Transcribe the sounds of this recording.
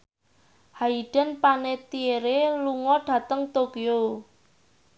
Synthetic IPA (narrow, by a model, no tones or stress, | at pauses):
haiɖ̥ə̤npanet̪ieɾeluŋɔɖ̥ä̤t̪əŋt̪okio